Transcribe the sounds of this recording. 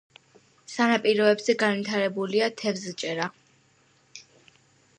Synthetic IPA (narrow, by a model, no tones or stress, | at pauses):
sanapʼiɾɔɛbzɛɡanvit̪ʰaɾɛbuliat̪ʰɛvzt͡ʃʼɛɾa